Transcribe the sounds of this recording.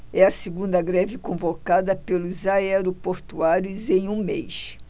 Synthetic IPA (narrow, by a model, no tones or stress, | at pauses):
ɛɐsiɡũnd̪ɐɡɾɛvɪkõvokad̪ɐpelʊzaɛɾopoɾt̪uaɾjʊzẽj̃ũmḛjs